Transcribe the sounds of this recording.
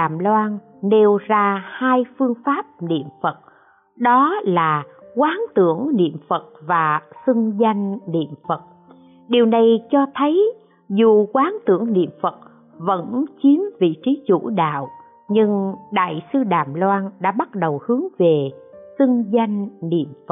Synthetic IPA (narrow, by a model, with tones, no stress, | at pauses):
aː˨˩mlwaː˧n | ne˧wzaː˧haː˧jfɨ˧əŋfaː˦˥p̚nḭ˧˨əmfə˨˩t̚ | ɗɔ˨˦laː˨˩kwaː˨˦nt̪ɨ˧˩əŋnḭ˧˨əmfə˨˩t̚vaː˨˩sɨ˧ŋza˧jŋ̟nḭ˧˨əmfə˨˩t̚ | ɗi˨˩əwna˨˩jt͡ɕɔ˧t̪ʰə˨˦j | zu˨˩kwaː˨˦nt̪ɨ˧˩əŋnḭ˧˨əmfə˨˩t̚ | və̰˧˥nt͡ɕi˨˦mvḭ˧˨t͡ɕi˨˦t͡ɕṵ˧˥ɗa̰ː˧˨w | ɲɨ˧ŋɗa̰ː˧˨jsɨ˧ɗaː˨˩mlwaː˧nɗa̰ː˧˥ɓa˦˥t̚ɗə˨˩whɨ˨˦əŋve˨˩sɨ˧ŋza˧jŋ̟nḭ˧˨əmfə˨˩